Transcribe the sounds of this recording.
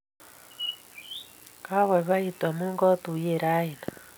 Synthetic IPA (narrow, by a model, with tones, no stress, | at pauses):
ka˦βe˨βa˦itwa˨mu˦ŋɡɔ˦tu˨jeɾa˦ina